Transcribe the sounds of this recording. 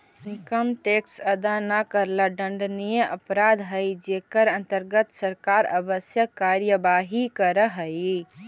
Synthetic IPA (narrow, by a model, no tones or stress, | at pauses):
inkəmʈeksəd̪anakəɾlaɖəɳɖnijə̃ʔəpɾad̪ɦəjd͡ʒekəɾə̃nt̪əɾɡət̪səɾkaɾə̰bəsjəkːaɾjəbaɦikəɾəɦəj